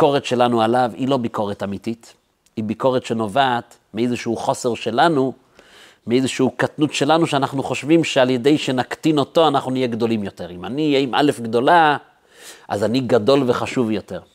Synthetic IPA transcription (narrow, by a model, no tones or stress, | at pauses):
ko̞ʁetʃe̞lanualavilo̞biko̞ʁetamitit | ibiko̞ʁetʃe̞no̞vaːt | miejzeʃeuχo̞se̞ʁʃe̞lanu | meejzeʃeukatnutʃe̞lanuʃeanaχnuχo̞ʃvimʃealje̞de̞jʃe̞nakt̪ino̞to̞anaχnunijeɡd̪o̞limjo̞te̞ʁimanijeimʔa̰le̞fɡd̪o̞la | ʔa̰zaniɡado̞lve̞χaʃuvjo̞te̞ʁ